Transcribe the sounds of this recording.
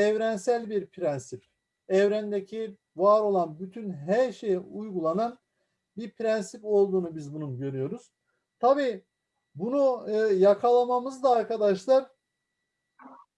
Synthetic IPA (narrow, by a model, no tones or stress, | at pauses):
ɛvɾænsælʲbiɾpʰɾænsip | ɛvɾænd̪ecʰi | vaːɾo̞lˠanbyt̪ʰynɦæɾʃe̞jiujɡulˠanan | biɾpʰɾænsipo̞lˠd̪uːnubizbununɟø̞ɾyjo̞ɾuz̥ | t̪ʰabiː | bunujakʰalˠamamɯzd̪aːɾkʰad̪aʃlˠaɾ̥